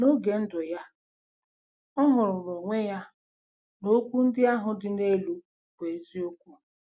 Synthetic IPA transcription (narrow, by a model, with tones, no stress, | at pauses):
no˦ɡe˨n̩˦dʊ˨ja˦ | ɔ˦ɦʊ˨ɾʊ˨lo˨ŋʷe˦ja˦ | no˦kʷu˦n̩˦dɪ˦a˦ɦʊ˨dɪ˨ne˦lu˦ | ke˨zi˦o˦kʷu˦